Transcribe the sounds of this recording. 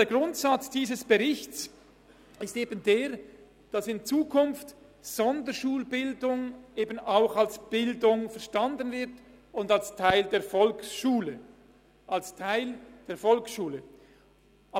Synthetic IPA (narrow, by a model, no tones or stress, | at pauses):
eːɐɡʁʊntsɑt͡sd̥iːzəsb̥əʁɪçt͡s | ɪsteːbəndeːɾ | d̥ɑsɪnt͡suːkʰʊnft | z̥ɔndəʃuːlbɪldʊŋʔeːbənaʊxalsb̥ɪldʊŋfɛɐʃtɑndənvɪʁt | ʊndalstʰaɪldeːɐfɔlksʃuːlə | ʔalstʰaɪld̥eːɐfɔlksʃuːlə | ʔ